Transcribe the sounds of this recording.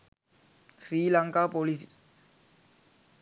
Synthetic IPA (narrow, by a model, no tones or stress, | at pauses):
sɾiːlaŋkaːpolis